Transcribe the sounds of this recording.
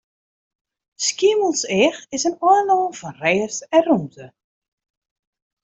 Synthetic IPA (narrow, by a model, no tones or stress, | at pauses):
skiməlˠsɛxɪsənɔənoːfɔnreːəsɛnrumtə